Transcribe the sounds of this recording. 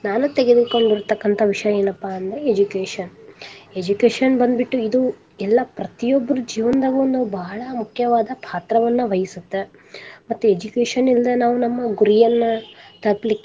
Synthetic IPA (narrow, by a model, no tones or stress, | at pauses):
naːnut̪eɡed̪uko̞ɳɖiɾt̪ːɐkːɐnt̪ʰɐʋiʂɐjɐeːnɐpːaɐnd̪ɐɾeed͡ʒukeːʂɐned͡ʒukeːʂɐnbɐnd̪biʈːuid̪u | ɛlːɐpɾɐt̪ijobːɐɾud͡ʒiːʋɐnd̪ɐɡund̪ubɐɦɐɭɐmukʰjɐʋaːd̪ɐpʰaːt̪ɾɐʋɐnːɐʋɐjisut̪ːe | mɐt̪ːued͡ʒukeːʂɐnild̪ɐnaːʋunɐmːɐɡuɾijɐnːɐt̪ɐplikː